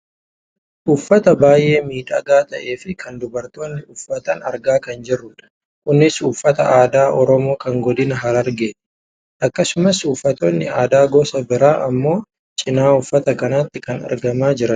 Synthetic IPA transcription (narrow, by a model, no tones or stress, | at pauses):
ʔʊfːɐt̪ɐbaːjʔe̞ːmiːᶑɐɡaːt̪ʼɐʔe̞ːfɪkʰɐnd̪ʊbɐɾt̪o̞ːnːɪʊfːɐt̪ɐnɐɾɡaːkɐnd͡ʒɛrːʊᶑɐ̥ | kʼʊnːɪsʊfːɐt̪ɐ̰aːd̪aːʔɔɾɔmo̞ːkɐŋɡɔd̪ɪnɐɦɐlɐɾɡe̥ː | ʔɐkːɐsʊmɐsʊfːɐt̪o̞ːnːɪ̰aːd̪aːɡoːsɐbɪɾaːʔɐmːo̞ː | t͡ʃʼɪnaːʊfːɐt̪ɐkɐnat̪ːɪkɐnɐ̰ɾɡɐmaːd͡ʒɪɾɐn